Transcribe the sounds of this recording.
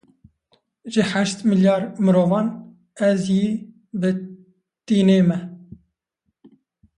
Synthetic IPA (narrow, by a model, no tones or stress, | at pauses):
ʒɪħæʃt̪mɨljɑːɾmɨɾoːvɑːn | ɛzjiː | bɨ | t̪iːneːmɛ